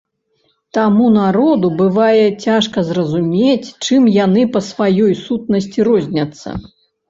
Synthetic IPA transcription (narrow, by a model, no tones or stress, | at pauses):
t̪amunaɾɔd̪ubɨvajɛt͡sʲaʂkɐzrɐzumʲet͡sʲt͡ʂɨmjanɨpɐsvajɔjsut̪̚nɐsʲt͡sʲiɾɔzʲnʲɐt̪sːɐ̰